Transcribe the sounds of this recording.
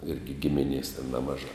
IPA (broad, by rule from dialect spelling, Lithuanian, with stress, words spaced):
ˈɪrʲɡʲɪ ˈɡʲɪmʲɪnʲeːs tʲɛn ˈnʲæːmɐʒɑː